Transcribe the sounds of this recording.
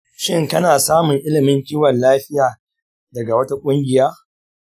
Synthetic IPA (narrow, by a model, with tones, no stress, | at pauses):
ʃɪ˦ŋkɐ˦naː˨saː˦mʊ˨ŋʔɪ˦lɪ˨mɪ˦ŋkʲiː˦wɐ˨nlaː˦ɸɪ˦jaː˨ | dɐ˨ɡa˨wɐ˦ta˦kʷʼʊ˦ŋɡʲɪ˨jaː˦